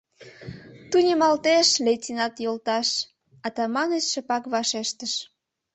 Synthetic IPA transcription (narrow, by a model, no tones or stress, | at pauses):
t̪unʲemɑlt̪eʃlet̪ʲinɑt̪jolt̪ɑʃ | ɑt̪ɑmɑnet͡ɕʃə̆pɑkβɑʃeʃt̪əʃ